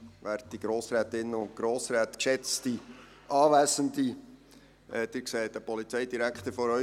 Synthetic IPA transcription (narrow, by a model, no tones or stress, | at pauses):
ʋæːɾt̚d̥iɡ̥ɾoːsɾæːt̪ɪnːəʊnt̚ɡ̥ɾoːsɾæːt̪kʃɛt͡sti | ʔɑːʋæːsəndi | ɛːd̥̪ɪːksɛːt̚d̥əpɔlit͡sɛɪdiɾækχt̪əɾfɔɾœ